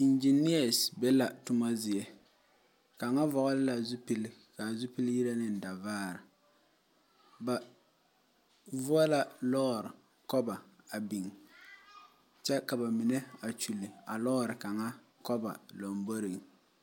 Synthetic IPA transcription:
i˨nd͡ʒi˨ni˦a˨sbɛ˦la˨tʊ˦ma˦zɪ˨jɛ˦ | ka˨ŋa˦vɔ˨ʔɔ˦lɪ˦la˨zu˦pi˦lɪ˦ | ka˨zu˦pi˦lji˦ɾa˦nɪ˦n̩˨da˨vaː˦˨ɾɪ˨ | ba˨ | vʊ˦a˦la˦lɔː˦˨ɾɪ˨ | kɔ˦ba˨ | a˨bi˨ŋ | t͡ʃɛ˦ka˨ba˨mi˨nɛ˦a˨t͡ʃu˨lɪ˨a˨lɔː˦˨ɾɪ˨ka˨˦ŋa˦ | kɔ˦ba̰˨lo˨mbo˦ɾi˨ŋ

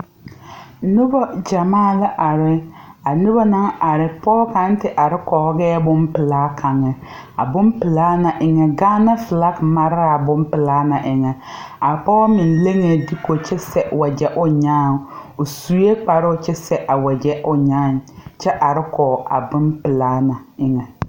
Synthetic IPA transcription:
nʊ˦bɔ˦d͡ʒa˨maː˦˨la˦ʔa˨ɾɪ˨a˨nʊ˦ba˦na˦ŋa˨ɾɪ˨pɔ˦ka˨˦n˦tɪ˦ʔa˨ɾɪ˦kɔː˨˦ɡɛː˦bʊ˦mpɪ˨laː˦kʰa˨ŋɛ˨ | a̰˨bʊ˦mpɪ˨laː˦na˨ʔɪ˨ŋɛ˨ɡaː˦na˦fɪ˨la˦kma˨ɾa˨bʊ˦mpɪ˨laː˦na˨ʔɪ˨ŋɛ˨ | a˨ɾpɔ˦mɪ˨nle˦ŋe˨di˦ko˨t͡ʃɛ˦sɛ˨wa˨d͡ʒɛ˦ʔʊ˦ɲaː˦˨ʊ˨su˨˦e˦k͡pa˨ɾɪ˦ʊ˨t͡ʃɛ˦sɛ˨ʔa˨wa˨d͡ʒɛ˦ʔʊ˨ɲaː˦˨nt͡ʃɛ˦ʔa˨ɾɪ˦kɔː˨a̰˨bʊ˦npɪ˨laː˦na˨ɪ˨ŋɛ˨

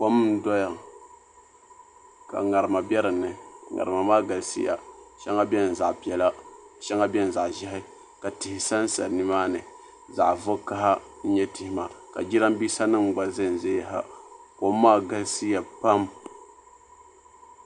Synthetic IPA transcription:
ko˦m̩˦dɔ˦ja˨ŋ | ka̰˨ŋa˨ɾɨ˨ma˨bʲɛ˦ɾɨ˨nɨ˨ŋa̰˨ɾɨ˨ma˨maː˦ɡa˨lsḭ˦ja̰˨ʃɛ˦ŋa˦bʲɛ˦n̩˨za˨ʔpi˨ɛ˨la˦ʃɛ˦ŋa˦bʲɛ˦n̩˨za˨ʔʒɛ˦ɦɪ˦ | ka˨tɪ˨hɪ˨sa˦n̩˦sa̰˨nɨ˦maː˦nɨ˨ | za̰˨ʔvʊ˦ka˦ɦa˦ | n̩˦ɲɛ˦ti˨hɪ˦ma˨ka̰˨d͡ʒi˦ɾa˦m˦biː˦sa˦nɨ˦ŋ͡mɡ͡ba˨zɨ˦˨n˨ze˦˨ɦa̰˦ko˨mː˦aː˦˨ɡa˦lsi˦ja˨pa˦m

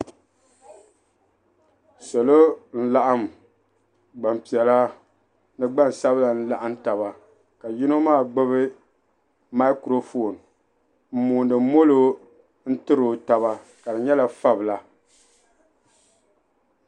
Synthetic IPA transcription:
so˨lo˦n̩˦la˦ʔa˦m˨ | ɡ͡ba˨mpi˨ɛ˨la˦ | nɨ˦ɡ͡ba˦˨n˨sa˦bla˨n̩˦la˨ʔa˦n˦ta˨ba˨ | ka˨ji˦no˦maː˦˨ɡ͡bɨ˦βɨ˦ | ma˦kɾo˦fo˨n | m̩˦˨muː˨ndɨ˨˦mo˦lo˦ | n̩˦tɨ˦ɾo˨ta˨βa˦ | ka˨dɨ˨ɲɛ˦la˨fa˦bɨ˨la˨

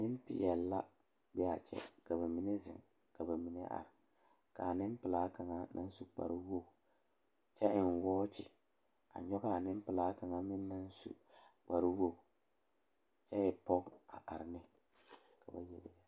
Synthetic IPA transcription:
nɪ˦m˦pɪ̰˨jɛ˨lːa˦ | bɛ˦a˨t͡ʃɛ̰˦ka˨ba˨mi˨˦ne˦zɪ̰˨ŋ | ka˨ba˨mi˨nɛ̰˦ʔa̰˨ɾɪ˨ | ka˨nɪ˦m˦pɪ˨laː˦ka˨ŋa˦na̰˦n˦su˦k͡pa̰˨ɾi˦wo˦˨ | t͡ʃɛ˦ɪ˨n˨wɔː˦t͡ʃɪ˨ | a̰˨ɲɔ˦ɣa˦˨nɪ˦m˦pɪ˨laː˦ka˨ŋa˨mɪ˦nː˦a˦n˦sṵ˨ | k͡pa˨ɾi˦wo˦˨ | t͡ʃɛ˦jɛ˨pɔ˦a̰˨ʔa˨ɾɪ˨nɪ˦ | ka˨ba˨jɛ˨lɪ̰˨a˨

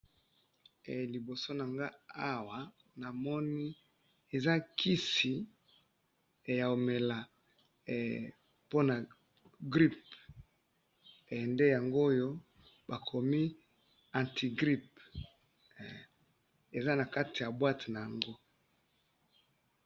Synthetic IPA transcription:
li˨bo˨so˦na˨ŋɡa˦a˦wa˨ | na˨mɔ˦ni˦ | e˨za˦ki˦si˨ | ja˨o˨me˨la˨ | po˦na˨ | ɡʁi˦p̚ | nde˦ja˨ŋɡo˦jo˦ | ba˨kʰo˨mi˦ | ã˨ntʰi˨ɡʁi˦p̚ | e˨za˦na˨ka˦ti˨ja˨bwa˦ti˨na˨ja˨ŋɡo˦

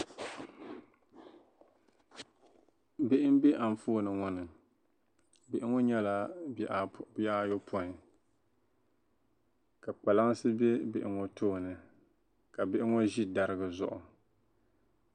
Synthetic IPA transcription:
bɪ˦ʔɪ˦m˦be˦ʔa˨n˨foː˦˨nɨ˨ŋɔ˦nɨ˨ | bɪ˨ʔɪ˦ŋɔ˦ɲɛ˦la˦ | ba˦jo˦pʰɔ˦˨ | ka˨k͡pa˨la˦ŋ˦sɨ˦be˦bɪ˨ʔɪ˨ŋɔ˦tʰoː˦˨nɨ˨ | ka˨bɪ˦ʔɪ˦ŋɔ˦ʒi˦da˨ɾɨ˦ɡɨ˨zʊ̰˨ʔʊ˨

